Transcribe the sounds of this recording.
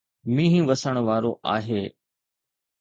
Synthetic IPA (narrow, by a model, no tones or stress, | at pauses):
mĩːɦĩʋəsəɽ̃ʋaːɾoʔa̰ːɦeː